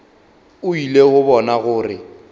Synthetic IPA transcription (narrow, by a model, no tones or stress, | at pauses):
ʊileɣʊbɔnaɣʊːrɪ̰